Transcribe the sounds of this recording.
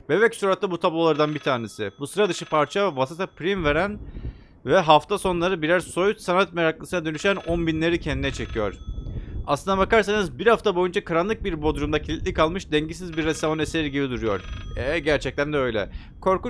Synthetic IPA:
be̞bɛcsuɾat̪ːabut̪ʰablˠo̞lˠaɾd̪anbit̪ʰaːne̞sibusɯɾad̪ɯʃɯpʰaɾt͡ʃʰavasit̪ʰapʰɾimveɾæn | vɛɦaft̪ʰaso̞nlˠaɾɯbiɾæɾso̞jut̪sanat̪meɾaklˠɯsɯnad̪ø̞nyʃænonbinlʲe̞ɾicʰɛnd̪inɛt͡ʃʰe̞cʰijo̞ɾ̥a̰slˠɯnd̪abakaɾsanɯzbiɾhaft̪ʰabo̞jund͡ʒakʰaɾanlˠɯk̚biɾbo̞d̪ɾumd̪acʰilʲit̪lʲikʰalˠmɯʃd̪ɛɲɟis̬izbiɾːɛst̪avoneseɾiɟibid̪uɾujo̞̰ɾ̥ɛɟæɾt͡ʃʰɛc̚t̪ʰænd̪ɛø̞jlʲɛ̰ | kʰo̞ɾku

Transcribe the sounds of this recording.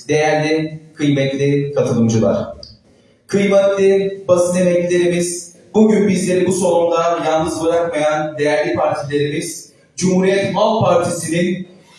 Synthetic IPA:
d̪̥e̞jæɾlʲikʰɯjmɛt̪lʲikʰat̪ʰɯlˠɯmd͡ʒɯlˠa̰ɾ̥ | kʰɯjmɛt̪lʲibasiemɛclʲe̞ɾimiz̥ | buɟynbizlʲe̞ɾibuso̞ɾund̪anjalˠnɯzbɯɾakmajand̪e̞jæɾlʲipʰaɾt̪ʰilʲe̞ɾimiz̥ | d͡ʒumhuɾijɛt̪malˠt̪̚pʰaɾt̪ʰisinin

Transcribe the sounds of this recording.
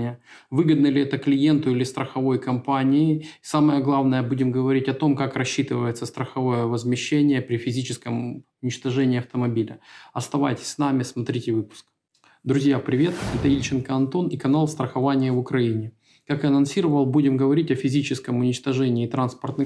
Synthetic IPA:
ɪjəvɨɡəd̪nəlʲɪɛt̪əklʲɪje̞nt̪ʊilʲɪst̪ɾəxɐvo̞jkɐmpanʲɪɪsaməjəɡlˠavnəjəbudʲɪmɡəvɐɾʲitʲɐt̪o̞mkakrɐɕːit̪ɨvəjɪt̪səst̪ɾəxɐvo̞jəvəzmʲɪɕːenʲɪjəpɾʲɪfʲɪzʲit͡ɕɪskəmʊnʲɪt͡ɕt̪ɐʐɛnʲɪːɐft̪əmɐbʲilʲəɐst̪ɐva̰jtʲɪ̥sʲsnamʲɪsmɐt̪ɾʲitʲɪvɨpʊ̥sk̚ | d̪ɾʊzʲjapɾʲɪvʲe̞t̪ɛt̪əilʲt͡ɕɪnkəɐnt̪o̞nikɐnalˠst̪ɾəxɐvanʲɪjəvʊkɾɐinʲɪ | kakaɐnɐnsʲiɾəvəlˠbudʲɪmɡəvɐɾʲitʲɐfʲɪzʲit͡ɕɪskəmʊnʲɪt͡ɕt̪ɐʐɛnʲɪːt̪ɾanspərt̪nɨ

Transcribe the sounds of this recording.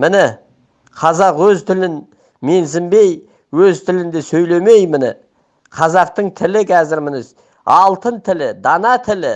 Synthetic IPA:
mɪnɪ | qʰɑzɑqwɵzt̪ʰɪlɪn | me̞nsɪmbe̞j | wɵzt̪ʰɪlɪnd̪e̞sɵjle̞me̞jmɪnɪ̰ | qʰɑzɑq̚t̪əɴt̪ʰɪlɪkʲʰæzɪɾmɪnɪs | ɑlˠt̪ənt̪ʰɪlɪd̪ɑnɑt̪ʰɪlɪ

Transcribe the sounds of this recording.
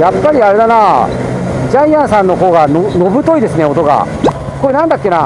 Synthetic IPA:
japːaɾʲiaɾe̞d̪ana | d͡ʑaĩãɰ̃sãnːo̞ɦo̞ːɡanono̞bɯ̟t̪o̞id̪e̞sɨne̞o̞t̪o̞ɡa̰ | ko̞ːɾenãnd̪akʲːe̞na

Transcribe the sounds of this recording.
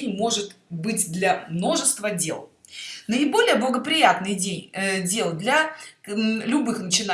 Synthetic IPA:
nʲmo̞ʐɨt̪bɨtʲd̪lʲɐmno̞ʐɨst̪vədʲe̞̰lˠ | nəɪbo̞lʲɪjəblˠəɡəpɾʲɪjat̪nɨjdʲenʲdʲe̞lˠd̪lʲɐ | lʲʊbɨxnət͡ɕɪna

